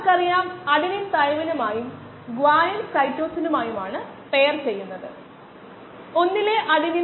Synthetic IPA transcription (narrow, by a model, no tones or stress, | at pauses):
kɐrijaːmɐɽinint̪ɐjʋɐnɐmaːjum | ɡʋaːjɐnkɐjtːo̞ːsinumaːjumaːɳɨ | pe̞jɐrt͡ɕe̞jːunːɐðɨ | o̞nːileʔɐɽini